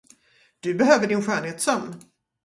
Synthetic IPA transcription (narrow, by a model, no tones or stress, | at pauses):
d̪̥ɵbɛɦøːvəɖɪnɧœːɳɦeːt̪sœmː